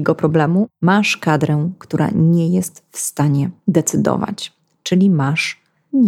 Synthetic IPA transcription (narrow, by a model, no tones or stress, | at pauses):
ɛɡɔpɾɔblɛmumaʂkad̪ɾɛ̃kt̪uɾʔa̰ɲɛjɛst̪fst̪aɲɛd̪ɛt̪sɘd̪ɔ̰va̰t͡ɕ | t͡ʂɘlʲimaʂ | ɲ